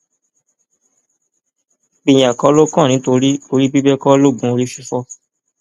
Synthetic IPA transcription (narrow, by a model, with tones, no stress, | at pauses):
k͡pi˨j̃a˨kɔ˨˦lo˦kã˦˨nĩ˨˦to˧ɾi˦o˧ɾi˦bi˦bɛ˦kɔ˦lo˦˨ɡũ˨˦o˧ɾi˦ʃi˧˦fɔ˦